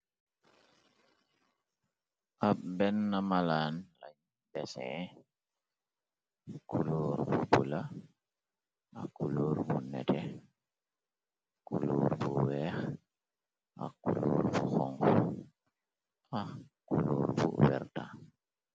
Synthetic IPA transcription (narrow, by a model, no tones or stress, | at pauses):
ʔabɛnːamalaːnlaɲ | bɛsɛ | kuloːɾbubula | ʔakuloːɾbunɛ̰tɛ | kuluːɾbuwɛːx | ʔa̰kuloːɾbuxɔŋɡɔ | a | kuloːɾbuwɛ̰ɾta